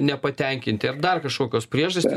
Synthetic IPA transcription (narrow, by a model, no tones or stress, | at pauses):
nʲɛpɐt̪ʲɛŋʲkʲɪnʲt̪ʲɪɐrd̪ɐrkɐʃkoːkʲoːspʲɾʲiɛʒɐsʲɪ